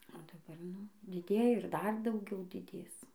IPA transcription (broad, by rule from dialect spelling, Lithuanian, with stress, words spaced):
oː dɐˈbɐr ˈnʊ dʲɪˈdʲeːjɛ ɪr ˈdɐr dɐʊˈɡʲɛʊ dʲɪˈdʲeːs